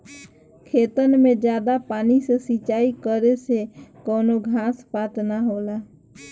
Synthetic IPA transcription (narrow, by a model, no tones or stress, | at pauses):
kʰeːt̪ənmẽd͡ʒjaːd̪apaːnisesit͡ʃaːikəɾesekɔːnoɡʱãːspaːt̪naɦoːlaː